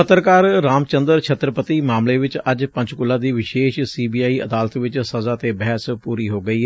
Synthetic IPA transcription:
ət̪ːəɾkaːɾːaːmt͡ʃənd̪əɾt͡ʃʰət̪ɾəpət̪iːmaːmleːʋɪt͡ʃəd͡ʒpə̃ɲd͡ʒkʊlːãːd̪iːʋɪʃeːʃsiːbiːaːiːʔə̰d̪aːlət̪ʋɪt͡ʃsəzaːt̪eːbɛɦspuːɾiːɦoːɡəiː

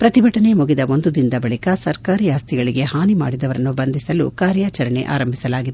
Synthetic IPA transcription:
pɾɐt̪ibɐʈɐnemuɡid̪ɐʔo̞nd̪ud̪ind̪ɐbɐɭikɐsɐɾkaːɾijaːst̪iɡɐɭiɡe̞haːnima̰ːɽid̪ɐʋɐɾɐnːubɐnd̪isɐlṵkaːɾjaːt͡ʃɐɾɐnḛʔa̰ːɾɐmbʱisɐlaːɡid̪e

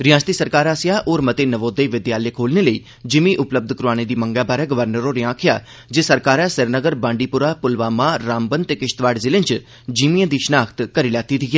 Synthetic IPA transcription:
ɾɪjãːst̪iːsəɾkaːɾaːsɪjaːʔoːɾmət̪eːnəʋoːd̪eʋɪd̪jaːlekʰoːlneːləiː | d͡ʒɪmĩːʔʊpləb̚d̪kɾuaːñeːd̪iːməŋɡaːbaːɾɛːɡəʋəɾnəɾoːɾɪãːkʰɪja̰ː | d͡ʒesəɾkaːɾɛːsɪɾnəɡəɾbãːɳɖiːpʊɾaːpʊlʋaːmaːɾaːmbənt̪eːkɪʃt̪ʋaːɖzɪlɪ̃nt͡ʃ | d͡ʒimiãːd̪iːʃənaːkʰt̪kəɾiːlɛːt̪it̪ʰiːɡeː

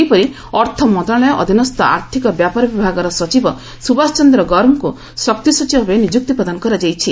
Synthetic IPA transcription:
ejpɔɾi | ɔɾt̪ʰɔmɔd̪aɭɔjɔʔɔ̰d̪ʱinɔst̪ɔʔa̰ɾt̪ʰikɔbjapaɾɔbibʱaɡɔɾɔsɔt͡ʃibɔ | subast͡ʃɔnd̪ɾɔɡɔɾmɔku | sɔk̚t̪isɔt͡ʃibɔbenid͡ʒuk̚t̪ipɾɔd̪anɔkɔɾad͡ʒajt͡ʃʰi

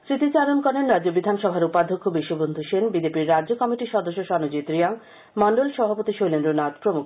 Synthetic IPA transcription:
sɾit̪it͡ɕaɾonkɔɾenɾadd͡ʑobid̪ʱanʃɔbʱaɾupad̪ʱokʰːobiʃobond̪ʱuʃenbid͡ʑepiɾːadd͡ʑokɔmiʈiʃɔd̪oʃːoʃɔnod͡ʑit̪ɾijaŋ | mɔɳɖolʃɔbʱapot̪iʃojlenɾonat̪pɾomuk

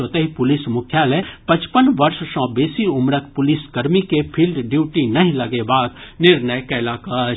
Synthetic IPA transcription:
oːt̪eɦipʊlɪsmʊkʰjaːlẽpɐ̃t͡ʃpənʋɐɾʃsɔ̃ːbeːsiʊmɾək̚pʊlɪsɡɐɾmikepʰiːlɖɖjuːʈinɐɦĩlɐɡebaːd̪nɪɾnəjkɛːlaːkaː

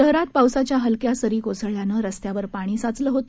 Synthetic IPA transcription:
əɦɾat̪̚pawsat͡ɕjaɦəlkjasəɾiːkosəɭjanəːɾəst̪jaʋəɾpaɽ̃iːsat͡sləɦot̪

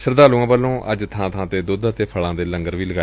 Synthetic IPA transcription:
səɾd̪aːlũːãːbəlːõːʔəd͡ʒt̪ʰãːt̪ʰãːt̪eːd̪oːd̪at̪eːpʰəɭãːd̪eːləŋɡəɾʋiːləɡaː

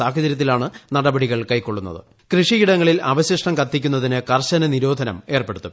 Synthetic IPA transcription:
aːkɐt͡ɕɐɾjɐt̪ːilaːɳɨnɐɽɐbɐɽiɣɐɭkɐjko̞ɭːun̪ːɐ̰ðɨ̰ | krɨʂiiɽɐŋːɐɭilɐʋɐɕjɐʂʈɐmkɐt̪ːik̬ʲːunːɐðinɨkɐrɕɐnɐniɾo̞ːd̪ʱɐnɐme̞ːrpeɽut̪ːu

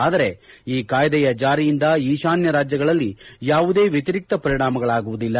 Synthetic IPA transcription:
aːd̪ɐɾe̞iːkaːjd̪ɛjɐd͡ʒaːɾijind̪ɐiːʃaːnjɐɾaːd͡ʒjɐɡɐɭɐlːijaːʋud̪e̞ːʋjet̪iɾik̚t̪ɐpɐɾiɳaːmɐɡɐɭaːɡuʋud̪ilːɐ

